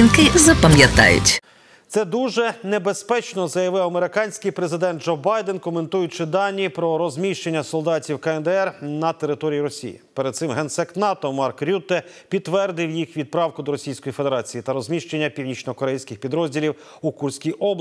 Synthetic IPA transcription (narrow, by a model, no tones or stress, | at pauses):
inkɪzɐpɐmʲjɐt̪ɑ̰jʊ̰tʲ | t̪sɛd̪uʒɛnebespɛt͡ʃnɔzɐjɐʋɪwɐmeɾɪkɑnʲsʲkɪjpɾezɪd̪ɛnd̪d͡ʒɔbɑjd̪enkɔme̞nt̪ujʊt͡ʃɪd̪ɑnʲːipɾɔɾɔzʲmʲiʃt͡ʃe̞nʲːɐsɔlˠd̪ɑtʲiwkɐɛnd̪ɛɛrnɐt̪e̞ɾɪt̪ɔɾʲijiɾɔsʲḭjḭpeɾed̪̚sɪmɦɛnsɛknɑt̪ɔmɑrkɾʲut̪ɛ | pʲid̪ːʋɛrd̪ɪwjixʋʲid̪̚pɾɑwkʊd̪ɔɾɔsʲijsʲkɔjife̞d̪eɾɑt͡sʲijit̪ɐɾɔzʲmʲiʃt͡ʃenʲːɐpʲiwnʲit͡ʃnɔkɔɾɛjsʲkɪxpʲid̪ɾɔzʲdʲilʲiw | ukursʲkʲijʔɔblˠ